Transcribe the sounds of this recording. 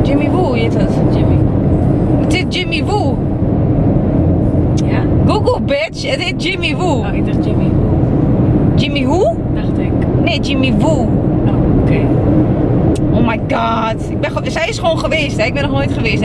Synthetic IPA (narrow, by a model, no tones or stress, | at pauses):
d͡ʒɪmiʋujetɔtd͡ʒɪmi | ətɪtd͡ʒɪmiʋu | jaɡuɡəlˠbɪt͡ʃətɪt̚d͡ʒɪmiʋu | ɪk̚dad͡ʒɪmiu | d͡ʒɪmiɦu | daxtɪkneːd͡ʒɪmiʋuookʰe | ʔoːmajɡɑːtɪk̚bɛnxsɛjɪsxəʋoːnχəʋeːstɛɪk̚bɛnɔxnojtxəʋeːst